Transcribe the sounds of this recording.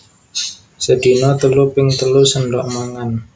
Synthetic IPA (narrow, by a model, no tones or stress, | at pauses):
səd̪̥i̤nɔt̪əlupɪŋt̪əlusənɖɔʔmaŋan